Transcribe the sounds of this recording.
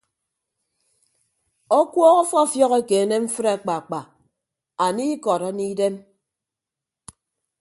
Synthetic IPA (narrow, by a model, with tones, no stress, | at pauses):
o˦kwɔː˦ɣɔ˦fɔ˦˨fjɔ˦ɣe˦ke˨˦ne˦m̩˦fɨ˦ɾa˨k͡pa˨k͡pa˨ | a˨ni˦kɔ˨ɾa˦ni˦de˦m